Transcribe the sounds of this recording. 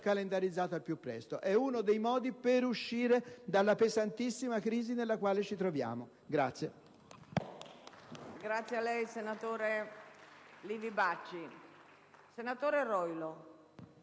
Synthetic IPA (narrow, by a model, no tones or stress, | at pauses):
kalend̪aɾid̪zːaːt̪oalpjupːɾɛ̰st̪oʔɛunod̪ejmɔːd̪ipeɾuʃːiːɾed̪alːapezant̪isːimakɾiːzinelːakwaːlet͡ʃit̪ɾovja̰ːmo | ɡɾat̪sːje | ɡɾat̪sːjealːɛjsenat̪oːɾe | liːvibat͡ʃːi | senat̪oːɾerɔjlo